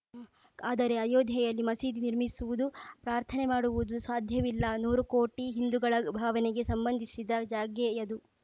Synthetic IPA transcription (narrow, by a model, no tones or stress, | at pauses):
aːd̪ɐɾe̞ɐjoːd̪ʱjɐjɐlːimɐsiːd̪iniɾmisuʋud̪upɾaːɾt̪ʰɐne̞maːɽuʋud̪usʋaːd̪ʱjɐʋilːɐnuːɾukoːʈiɦind̪uɡɐɭɐbʱaːʋɐneɡe̞sɐmbɐnd̪ʱisid̪ɐd͡ʒaːɡjejɐd̪u